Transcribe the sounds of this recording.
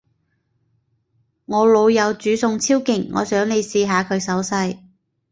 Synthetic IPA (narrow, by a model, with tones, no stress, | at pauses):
ŋɔː˨˧lo˨˧wjɐ˨˧wt͡ʃyː˨˥sʊ˧ŋt͡sʰiː˥wkɪ˨˩ŋːɔ̰ː˨˧sœː˨˥ŋle˨˧jsiː˧ɦaː˨˧kʰɵ˨˧ɥsɐ˨˥wsɐ˧j